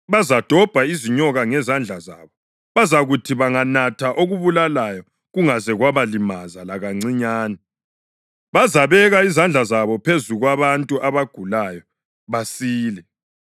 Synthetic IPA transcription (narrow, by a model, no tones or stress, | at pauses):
βazad̥ʱɔb̥ʱaiziɲɔɣaŋɛzand͡ɮʱaza̰ːβɔ | βazaɣutʰiβaŋanatʰaʔoɣuβulalajɔ | ɣuŋazɛɣwaβalimazalaɣaŋ͡ǀiɲaːnɛ | βazaβɛɣaizand͡ɮʱazaβɔpʰezuɣwaβantʼuʔaβaɡ̥ʱulajɔ | βasiːlɛ